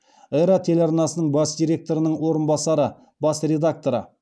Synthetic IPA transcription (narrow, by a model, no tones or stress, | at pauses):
eɾat̪ʰe̞lɑɾnɑsənəɴbɑsd̪iɾʲe̞k̚t̪o̞ɾənəɴwo̞ɾənbɑsɑɾə | bɑsrʲe̞d̪ak̚t̪o̞ɾə̰